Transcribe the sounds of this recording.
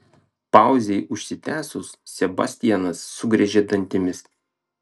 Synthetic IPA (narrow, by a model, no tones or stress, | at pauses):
pɑˑʊzʲɛɪʔʊʃʲsʲɪt̪ʲæːsʊssʲɛbɑ̰sʲt̪ʲɪjɛnɐsːʊɡɾʲɛʒʲeːd̪ɐnʲt̪ʲɪmʲɪs